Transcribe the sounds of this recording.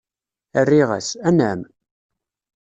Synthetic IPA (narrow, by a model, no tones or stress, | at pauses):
ərːiʁa̰sænæm